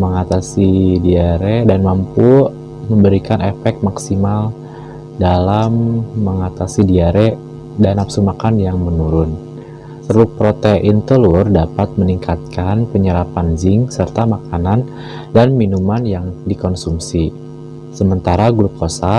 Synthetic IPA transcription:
məŋat̪asidiaɾedanmampu | məmbəɾikanʔefɛk̚t̪̚maksimal | dalamːəŋat̪asidiaɾe | danapsumakanjaŋmənuɾʊn | t̪əlupɾot̪eʔɪnt̪əlurdapat̪̚məniŋkat̪̚kʰanpəɲəɾapanzɪŋsərt̪amakanan | danminumanjaŋdikɔnsumsi | səmənt̪aɾaɡɾup̚ːosa

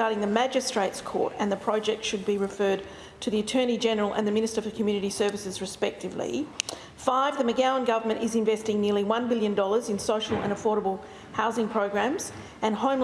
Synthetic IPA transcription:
ɑɹɾɪ̃ŋðɨmæd͡ʒɨstɹ̥eɪtskʰɔ̰ɹɾɨ̃nðɨpʰɹ̥ɑd͡ʒɛk̚tʃɨd̚biɹɨfɜ˞d̚ | tʰɨðiɨtʰɜ̃˞ñid͡ʒɛnə˞l̩ˠʔə̰̃nðɨmɪ̃ñɨstə˞fəkʰmjʉñɨɾisɜ˞vɨsɨzɹɨspɛk̚tɨvlḭ | faɪvðɨmɨɡæʊə̃nɡʌvə˞mɨ̃ñʔɨzɨ̃ɱvɛstɪ̃ŋnɪɹlˠiwʌ̃nbɪlˠjɨ̃ndɔlˠə˞zɨ̃nsoʊʃl̩ˠə̰̃ñəfɔɹɾəbl̩ˠ | haʊzɪ̃ŋpʰɹ̥oʊɡɹæ̃mz̥ | ɨ̃nhõʊ̃m

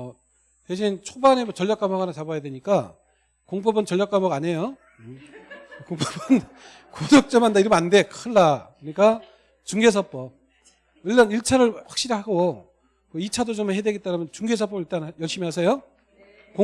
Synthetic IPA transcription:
ʌ | teɕʰint͡ɕʰobanemʌt͡ɕʌɭʎːak͈amʌɡanat͡ɕabajadweɲik͈a | koŋp͈ʌbɯnt͡ɕʌʎːjak͈amʌɡaɲejo | koŋpʌbɯn | kodʌk̚t͡ɕ͈ʌmɦandaiɾʌmande̞kʰɯɭːakɯɲik͈a | t͡ɕuŋɡe̞s̬ʰʌp͈ʌ | ɯɭːʌniɭt͡ɕʰaɾɯɭɸwḁk̚ɕ͈iɾiɦaɡo | kʌit͡ɕʰadot͡ɕomhedwe̞ɡit͈aɾamjʌnt͡ɕuŋɡe̞sʰʌp͈ʌiɭt͈anjʌɭɕ͈imiɦasʰejo | ko

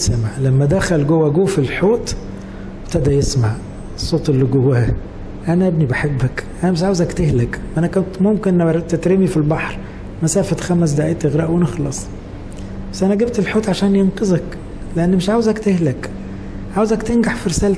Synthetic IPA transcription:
sæmaʕlæmːæd̪æxælɡowːæɡuːfelħoːt̪ | b̥t̪æd̪æjesmaʕ | esˤːoːt̪ˤelːiɡowːæhæ | ʔænæʔæbnibaħebːækʔænæmeʃʕawezækt̪ehlækʔænækænt̪momkent̪et̪ɾemifilbɑħɾ | mæsæːfæt̪xæmæs̬d̪aʕeːt̪ʔeɣɾæːʔwenexlɑsˤ | bæsʔænæɡeb̚t̪elħoːt̪ʕaʃæːnjenqezˤɑk | leʔenːmeʃʕaːwezækt̪ehlæk | ʕawezækt̪enɡaħfiɾesæːl

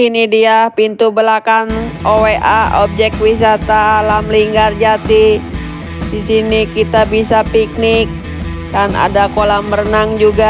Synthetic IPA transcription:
inidiapint̪ubəlakanʔoweʔaob̚d͡ʒɛk̚wis̬at̪alamliŋɡard͡ʒat̪i | disinikit̪abisapik̚nɪk̚ | dana̰dakolamərnaŋd͡ʒuɡa

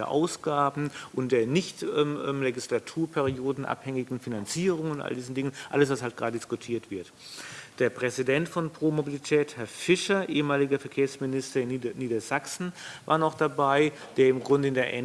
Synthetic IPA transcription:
ɐ̰ʔa̰ʊsɡ̥aːbm̩ʔʊntd̥eːɐnɪçtʔɛːmʔɛːmleɡislatʰuːɐpʰɛʁioːdn̩ʔa̰phɛŋɪɡŋ̩finant͡siːʁ̞ʊŋʊntʔa̰ldiːzn̩dɪŋənʔa̰ləsv̥ashaltɡ̥ʁ̥aːdədɪskʊtʰiːɐtv̥ɪɐt | d̥eːɐpʁ̥ɛzidɛntfɔnpʁ̥oːmobilitʰɛːthɛɐfɪʃɐʔeːəmaːlɪɡɐfɛɐkʰeːɐsmɪnɪstɐɪnnːiːdɐz̥aksn̩va̰ɐnɔχd̥abaɪ | d̥eːɐɪmɡʁʊndəɪndeːɐʔɛ

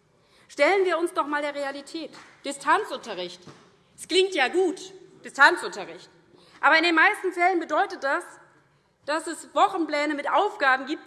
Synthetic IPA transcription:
ʃtɛlənviːɐʊnsd̥ɔχmaːldeːɐʁealitʰɛːtd̥ɪstʰant͡sʔʊntɐʁɪçt | ɛsɡ̥lɪŋ̚tjaːɡuːtd̥ɪstʰant͡sʔʊntɐʁɪçt | ʔaːbɐɪndeːnmaɪstn̩fɛlənbədɔʏtət̚d̥as | d̥asɛsvɔχn̩plɛːnəmɪtʔaʊfɡ̥aːbm̩ɡiːp̚t

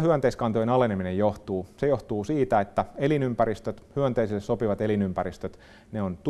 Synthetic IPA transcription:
hyønt̪eiskɑnt̪ojenɑleneminejjoht̪uːsejoht̪uːsiːt̪æet̪ːæelinympæɾist̪øt̪hyønt̪eisilːessopiʋɑt̪elinympæɾist̪øt̪ | neont̪

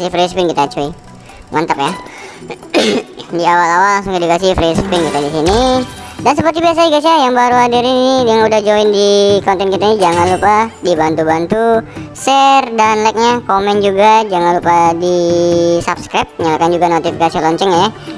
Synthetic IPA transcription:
sifɾespɪnkit̪aːt͡ʃui | ŋa̰nt̪əkja | diawalawalaŋsʊŋk̪adikasifɾespɪnkit̪adisinidansəpərt̪ibias̬aiɡasajaŋbaɾuadiɾinijaŋudahd͡ʒaɪndikaont̪ɛnkit̪ainid͡ʒaŋanlupadibant̪ubant̪usɛrdanlajk̚ɲakomɛnd͡ʒuɡad͡ʒaŋanlupadisapskɾɛp̚t̪̚ɲalakand͡ʒuɡanot̪ifikasilɔɲt͡ʃəŋaja

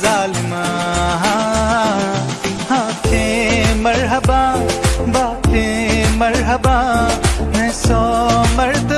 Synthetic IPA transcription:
zaːlmãɦa | haːt̪ʰẽmɐɾɦɐbabaːt̪ʰẽmɐɾɦɐba | mɛ̃somɐɾd̪

